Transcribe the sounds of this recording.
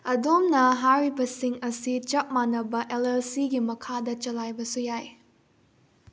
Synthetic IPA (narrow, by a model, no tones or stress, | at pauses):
ɐdomnɐɦaɾibɐsiŋɐsit͡ʃɐp̚manːɐbɐʔelelsiɡimɐkʰadɐt͡ʃɐlajbɐsujaj